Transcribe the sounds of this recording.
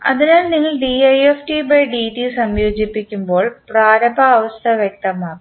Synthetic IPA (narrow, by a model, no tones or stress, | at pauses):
ɐðinaːlniŋːɐɭɖiɐjefʈibɐjɖiʈisɐmjoːd͡ʑipːikʲːumbo̞ːɭpraːɾɐbʱɐːʋɐst̪ʰɐʋjek̚t̪ɐmaːkːu